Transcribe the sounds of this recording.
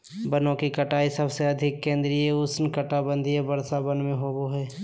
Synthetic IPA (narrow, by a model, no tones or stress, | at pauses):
bənõkikɐʈaːisəbseɐd̪ʱɪkːẽːnd̪ɾieʊsnkɐʈabə̃nd̪ʱiebɐɾsabənmẽɦoːboɦɛː